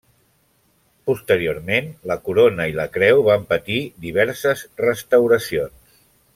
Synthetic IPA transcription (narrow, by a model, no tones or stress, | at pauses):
pust̪əɾioɾmenləkuɾonəiləkɾɛwβampət̪id̪iβ̞ɛɾsəzrəst̪əwɾəsions